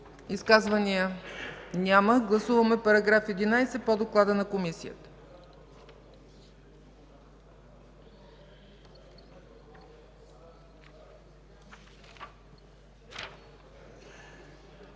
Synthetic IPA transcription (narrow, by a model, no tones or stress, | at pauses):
iskazvənijə | nʲaməɡlˠɐsuvəmɛpɐɾɐɡɾafɛd̪inajsɛpod̪oklˠad̪ənɐkomisijə̰t̪ə̥